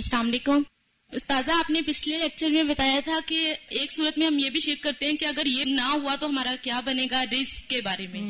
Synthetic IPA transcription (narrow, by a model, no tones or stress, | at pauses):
sɐlaːmleːkʊm | ʊst̪aːzaːpnepɪt͡ʃʰleleːk̚t͡ʃəɾmẽbɐt̪aːjat̪ʰakeeːksuːɾət̪mẽɦɐmjebʱiʃɪɾkːɐɾt̪eɦɛ̃kiɐɡəɾjenɐɦuat̪oɦɐmaːɾakjaːbɐneːɡaɾɪsk̚kebaːɾemẽ